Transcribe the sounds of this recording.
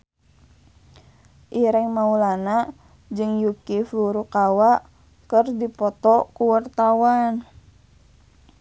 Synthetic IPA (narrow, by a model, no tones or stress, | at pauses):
ʔiɾɛŋmaulana | d͡ʒɨŋjukifuɾukawaʔ | kərdipɔt̪ɔkuwart̪awan